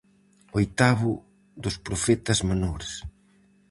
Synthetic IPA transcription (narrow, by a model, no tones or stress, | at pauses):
ojt̪aβʊ | d̪ʊspɾofɛt̪ɐzmanoɾes